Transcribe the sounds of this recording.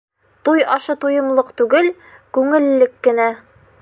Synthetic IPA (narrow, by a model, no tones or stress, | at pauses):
t̪ujɒʃɤt̪ujɤ̆mlˠɤqt̪ʉɡɘl | kʉŋɘ̆lːɘkːɘ̆næ